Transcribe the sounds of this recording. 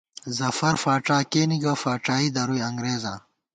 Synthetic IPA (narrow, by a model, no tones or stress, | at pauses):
zɐfɐɾfaːʈaːkeːniɡafaːʈaːid̪ɐɾujɐŋɡɾeːzã̰ː